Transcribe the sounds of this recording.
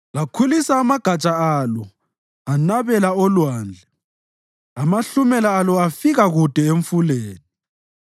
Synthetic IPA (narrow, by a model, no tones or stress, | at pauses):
lakʰulisaːmaɡ̥ʱat͡ʃʼaalɔ | anaβɛlaɔlwaːnd͡ɮʱɛ | amaɬumɛlaːlɔafiɣaɣud̥ʱɛeɱfuleːni